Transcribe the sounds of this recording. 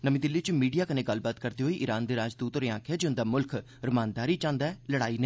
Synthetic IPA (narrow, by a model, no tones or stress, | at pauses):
nəmĩːd̪ɪlːiːt͡ʃmiːɖijaːkənẽːɡəlːbaːt̪kəɾd̪iːɦoːiːʔɪɾaːnd̪eːɾaːd͡ʒd̪uːt̪oːɾeãːkʰjaːd͡ʒʊ̃nd̪aːmʊlkʰ | ɾɪmãːnd̪aːɾiːt͡ʃãːnd̪aɛləɽaːiːneː